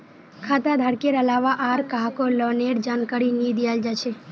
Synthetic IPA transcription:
kʰat̪ad̪ʱaɽkeɾəlaʋaʔaːɾkaɦakolɔneɾd͡ʒaːnkaɾinid̪ijald͡ʒat͡ʃʰe

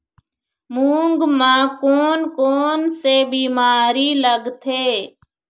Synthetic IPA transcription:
mũːŋɡmãːkoːnkoːnseːbiːmaːɾiːləɡt̪ʰeː

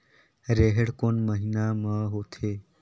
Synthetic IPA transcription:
ɾeɦeɽkonməɦinaməɦot̪ʰe

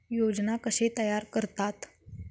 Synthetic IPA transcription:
jod͡znakəɕet̪əjaɾkəɾt̪at̪

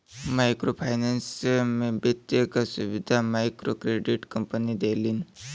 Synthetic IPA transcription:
majkɾopʰajnansmebət̪jekasuʋid̪ʱamajkɾokɾeɖiʈkəmpənid̪eliːn

